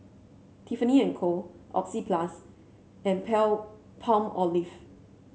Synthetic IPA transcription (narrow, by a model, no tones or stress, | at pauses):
t̪ʰifəniɛ̃nkʰoʔɔ̰p̚sipʰlas | ʔɛ̃npʰɛl | pʰãmɔlif